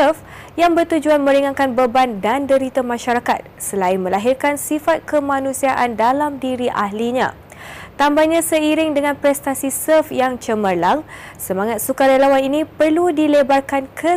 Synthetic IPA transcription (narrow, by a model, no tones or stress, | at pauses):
əf | jaŋbərt̪ud͡ʒuanmə̃ɾiŋãŋkanbəbandandəɾit̪amãʃaɾakat̪̚səlaɪnmə̃laɦɪrkansifat̪̚kəmãnũsiaʔandalamdiɾiʔaɦliɲã̰ | t̪ambaɲãsəiɾɪŋdəŋãnpɾɛst̪asisəfjaŋt͡ʃəməlaŋsəmaŋat̪̚sukaɾelawaninĩpərludilebarkankʰə